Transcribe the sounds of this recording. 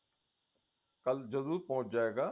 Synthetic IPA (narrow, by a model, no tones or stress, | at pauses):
kəld͡ʒɐzuːt̪̚pɐɦʊ̃t͡ʃd͡ʒaːeːɡaː